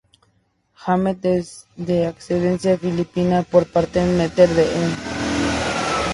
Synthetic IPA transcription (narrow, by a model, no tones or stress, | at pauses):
xamet̪̚ezðeakseðensjafilipinapoɾpaɾt̪emet̪eɾðeʔen